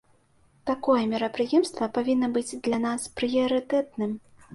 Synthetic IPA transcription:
t̪akɔjɛmʲɛɾɐpɾɨjɛmst̪vɐpavʲinːɐbɨd͡zʲd̪lʲanaspɾɨjɐɾɨt̪ɛt̪̚nɨm

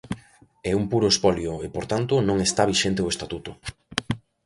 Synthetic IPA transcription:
ɛumpuɾoespɔljoepoɾt̪ant̪ʊnõŋest̪aβiʃent̪eoʊest̪at̪ut̪o

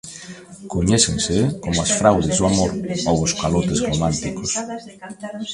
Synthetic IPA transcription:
koɲɛsẽnsekomʊasfɾawðezðoamoɾowoskalot̪ezromãnt̪ikos

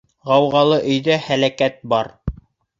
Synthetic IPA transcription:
ʁɑwʁɑlˠɤʔɵ̆jðæhælækæt̪̚bɑɾ

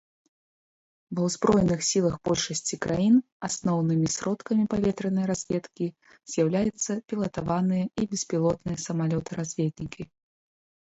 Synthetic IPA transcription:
vɐwzbɾɔjnɨxsʲilˠɐxbɔlʲʂɐsʲt͡sʲikɾʔajin | asnɔwnɨmʲisɾɔt̪kɐmʲipavʲɛt̪ɾɨnɐjɾazʲvʲɛt̪kʲi | z̥ʲjawlʲajɛt̪sːɐpʲilˠɐt̪avanɨjɐibʲɛspʲilˠɔt̪nɨjɐsɐmalʲɔt̪ɨɾazʲvʲet̪ʲnʲikʲi

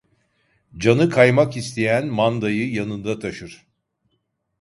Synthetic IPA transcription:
d͡ʒanɯkʰajmakist̪ʰe̞jænmand̪ajɯjanɯnd̪at̪ʰaʃɯɾ̥

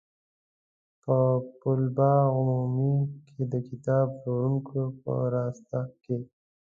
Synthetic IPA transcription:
pəpʊlbɑɣʊmumikʰed̪əkɪt̪ɑːbʂoɾuŋkʰopə̰ɾɑːst̪ake

